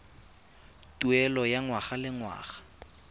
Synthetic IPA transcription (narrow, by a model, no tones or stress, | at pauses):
tʼuɛlɔjaŋwaχalɪŋwa̰ːχḁ